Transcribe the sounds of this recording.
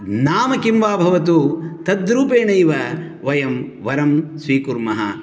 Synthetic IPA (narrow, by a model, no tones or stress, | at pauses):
naːmɐkimʋaːbʱɐʋɐt̪̬ut̪ɐd̪ɾuːpeːɳɐjʋɐ | ʋɐjɐmʋɐɾɐmsʋiːkuɾmɐɦɐ̰